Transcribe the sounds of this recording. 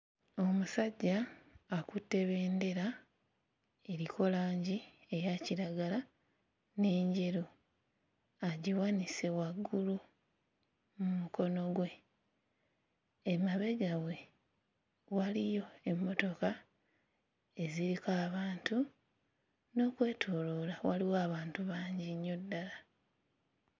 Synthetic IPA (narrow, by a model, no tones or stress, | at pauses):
o̞musaɟːaːkutːe̞βe̞ːnde̞ɾa | e̞ɾikʰo̞laːɲɟie̞jaciɾaɡala | ne̞ːɲɟe̞ɾo | aɟiwanise̞waɡːulu | mumuko̞no̞ɡwe̞ | emaβe̞ɡawe̞ | walijo̞e̞mːo̞to̞ka | e̞ziɾikaːβaːntu | no̞ːkwe̞ːtʰoːlo̞lawaliwoaβaːntuβaːɲɟiɲːo̞dːala